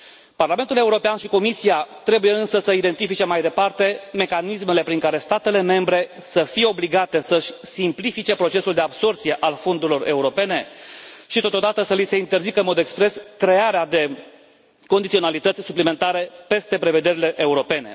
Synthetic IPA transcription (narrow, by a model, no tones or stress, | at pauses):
parlame̞nt̪ule̞uɾo̞peanʃiko̞misijat̪ɾe̞bujeɨnsəsəid̪e̞nt̪ifit͡ʃe̞majd̪e̞part̪e̞me̞kanisme̞le̞pɾiŋkaɾe̞st̪at̪e̞le̞me̞mbɾe̞səfije̞o̞bliɡat̪e̞səʃʲsimplifit͡ʃe̞pɾo̞t͡ʃe̞suld̪e̞abso̞rt̪sije̞ʔalfo̞nd̪uɾilo̞re̞uɾo̞pe̞ne̞ʃit̪o̞t̪od̪at̪əsəlise̞int̪e̞rzikəɨnmo̞d̪ekspɾe̞skɾe̞aɾead̪e̞ | kond̪it̪sio̞nalit̪ət̪sʲsuplime̞nt̪aɾe̞pe̞st̪e̞pɾe̞ve̞d̪e̞ɾile̞ʔeuɾo̞pe̞ne̞̰